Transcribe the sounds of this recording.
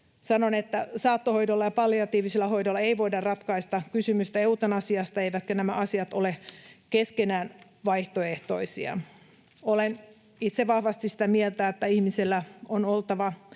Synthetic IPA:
sɑnonet̪ːæsɑːt̪ːoho̞jdolːɑjɑpɑlːiɑt̪iːʋiselːæho̞jdolːɑeiʋoidɑrrɑt̪kɑist̪ɑkysymyst̪æeut̪ɑnɑsiɑst̪ɑeiʋæt̪kønæmæʔɑsiɑt̪olekeskenæːn | ʋɑiht̪oeht̪o̞isiɑ̰ | olen | it̪seʋɑhʋɑst̪isĭ̥t̪æmielt̪æet̪ːæihmiselːæonolt̪ɑʋɑ

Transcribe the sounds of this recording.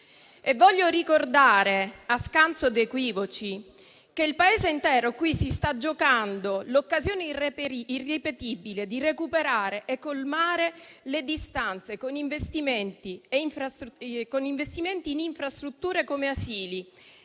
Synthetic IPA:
evːɔʎːoɾikord̪aːɾeaskant̪sod̪ekwiːvot͡ʃi | keilpaeːzeint̪ɛːɾokwisist̪ad͡ʒokand̪olokːazjoːnerepirepet̪ibiled̪irekupeɾaːɾeʔekːolmaːɾeled̪ist̪ant̪sekoniɱvest̪iment̪ieiɱfɾaskoniɱvest̪iment̪iːniɱfɾast̪ɾut̪ːuːɾekomeasiːli

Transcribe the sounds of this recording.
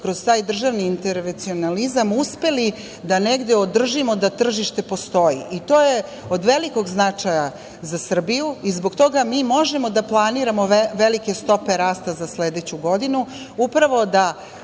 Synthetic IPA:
kɾo̞zt̪aːjd̪r̩ʒaʋniːnt̪eɾʋent̪sio̞nalizamuspe̞li | d̪ane̞ɡd̪eod̪r̩ʒimo̞d̪at̪r̩ʒiʃt̪e̞po̞st̪o̞jiʔit̪o̞ːje̞ | od̪ʋe̞liko̞ɡznat͡ʂaja | zasr̩bijuizboɡt̪o̞ɡamiːmo̞ʒe̞mod̪aplˠaniːɾamo̞ʋe̞like̞st̪o̞pe̞ɾaːst̪azasled̪et͡ɕuɡo̞d̪inu | upɾaʋo̞d̪a

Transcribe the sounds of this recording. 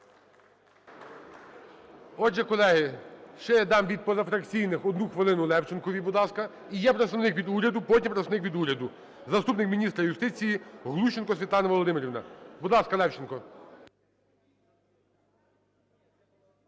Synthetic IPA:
ɔd͡ʒɛkɔlˠɛɦɪʃt͡ʃɛjɛd̪ɑmʋʲid̪̚pɔzɐfɾɐkt͡sʲijnɪxɔd̪nuxʋɪlˠɪnʊlˠɛwt͡ʃenkɔʋʲibud̪lˠɑskɐ | ijɛpɾet̪sɐʋnɪkʋʲid̪uɾʲɐd̪ʊpɔtʲimpɾesɐnɪkʋʲid̪uɾʲɐd̪ʊ | zɐst̪upnɪkmʲinʲist̪ɾɐjʊst̪ɪt͡sʲijiɦlˠuʃenkɔsʲʋʲit̪lˠɑnɐʋɔlˠɔd̪ɪmeɾʲiʋnɐ̰bud̪lˠɑskɐlˠɛwt͡ʃenkɔ

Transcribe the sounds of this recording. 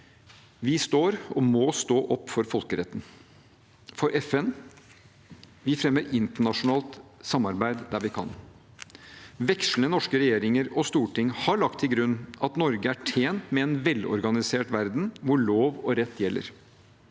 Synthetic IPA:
ʋɪst̪oːɾɔmɔst̪oːʔɔpːfɔɾfɔlkəɾɛt̪ːn̩ | fɔɾʔɛfɛn | ʋɪfɾɛmːəɾɪnt̪əɳɑʂʊnɑːlt̪sɑmːɑɾbæɪd̪d̪æɾʋɪkʰɑ̰n | ʋɛkʂlnənɔʂkəɾɛjeːɾɪŋəɾɔst̪uːʈʰɪŋhɑɭɑkt̪ʰːɪlɡɾʉnːɑt̪nɔɾɡəæʈʰeːnt̪mɛɛnʋɛlːɔ̰ɾɡɑnɪseːʈʋæɾd̪n̩ʋʊɭoːʋɔɾɛt̪ːjɛlːʔə̰ɾ

